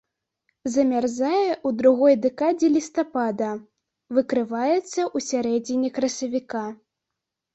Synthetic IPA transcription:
zɐmʲarzajɛʔud̪ɾuɣɔjd̪ɛkad͡zʲɛlʲist̪apad̪ɐ | vɨkɾɨvajɛt̪sːɐʔusʲaɾɛd͡zʲinʲɛkɾɐsɐvʲika

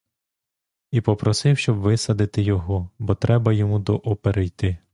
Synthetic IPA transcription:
ipɔpɾɔsɪwʃt͡ʃɔbʋɪsɐd̪ɪt̪ɪjɔɦɔbɔt̪ɾɛbɐjɔmud̪ɔʔɔpeɾɛjt̪ɪ

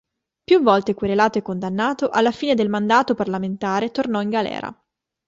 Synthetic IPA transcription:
pjuvːɔlt̪ekweɾelaːt̪oekːond̪anːaːt̪oʔalːafiːned̪elmand̪aːt̪oparlament̪aːɾet̪ornɔiŋɡalɛ̰ːɾa̰

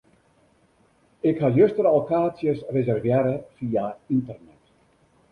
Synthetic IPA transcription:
ɪkhajøstəɾɔlˠkaːt͡sjəsrezɛrvjɛːɾəfiːaintərnɛt

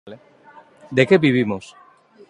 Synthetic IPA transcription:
l | d̪ekeβiβ̞imos

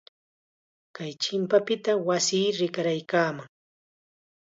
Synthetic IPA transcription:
kajt͡ʃɪmpapɪt̪awasiːɾɪkaɾajkaːmaŋ

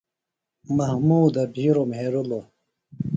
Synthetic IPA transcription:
mɐhmuːd̪ɐbʱiːɾomɦeːɾulo

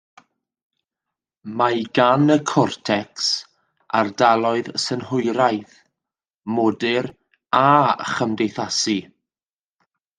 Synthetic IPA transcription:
majɡanəkʰɔrtʰɛks | a̰rdalˠɔɨðsənhʊjɾajθ | mɔdɪɾ | aχəmdejθasi

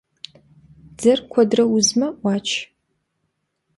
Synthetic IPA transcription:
d͡zɐrkʷʰɔdrɐwʊzmɐʔʷɑːt͡ʃʰ

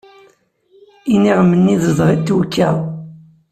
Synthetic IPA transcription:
iniʁmənːiðəðˤʁit̪ːwukːæ

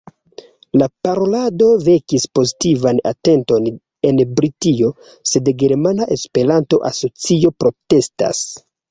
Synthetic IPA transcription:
lapaɾo̞lado̞ve̞kispo̞zitivana̰te̞nto̞n | e̞nbɾitio̞ | se̞dɡe̞ɾmanaʔe̞spe̞ɾanto̞̰ʔaso̞t͡sio̞pɾo̞te̞sta̰s

